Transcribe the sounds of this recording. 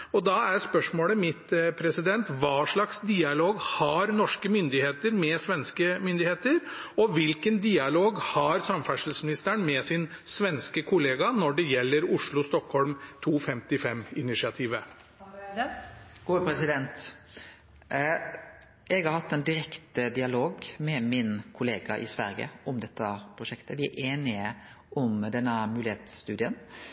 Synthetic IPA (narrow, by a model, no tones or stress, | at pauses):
ɔd̪ɑæɾspœʂmoːləmɪt̪pʰɾɛsɪd̪ɛnt̪ʋɑːʂɭɑksd̪iːɑloːɡhɑɾnɔʂkəmʏnd̪ɪheːt̪əɾmɛsʋɛnskəmʏnd̪ɪheːt̪əɾɔʋɪlkənd̪iːɑloːɡhɑɾsɑmfæʂəl̩smɪnɪst̪əɳmɛsɪnsʋɛnskəkʰʊleːɡɑnɔɖɛjɛlːəɾʊʂɭʊst̪ɔkhɔlmt̪ʰuːfɛmt̪ɪfɛmɪnɪʂɪɑt̪ʰiːʋə | ɡ̥upʰɾɛsɪd̪ɛnt̪ | ɛɡhɑɾhɑt̪ːɛnd̪ɪɾɛkt̪əd̪ɪɑloːɡmɛmɪnkʰʊleːɡɑʔɪ̰sʋæ̰ɾɡə̰ɔmd̪ɛt̪ːɑpʰɾʊʂɛkt̪əʋɪæ̰ʔeːnɪə | ʔɔmd̪ɛnːəmʉːlɪeːt̪st̪ʉːd̪ɪən